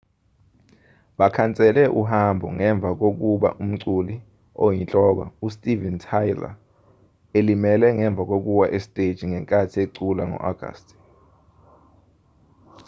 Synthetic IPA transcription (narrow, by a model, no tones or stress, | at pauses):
ɓakʰant͡sʼɛlɛʔuɦambʱɔ̰ŋɛɱb̪vʱak̬ok̬uɓa̰ʔum̩ǀuli | ojint͡ɬʼɔk̬a̰ustʼivɛntʰajla̰ | elimɛlɛŋɛɱb̪vʱak̬ok̬uwaʔestʼed̥ʒ̥ʱiŋɛŋkʼatʰieǀulaŋɔ̰ʔaɡ̥ʱa̰stʼ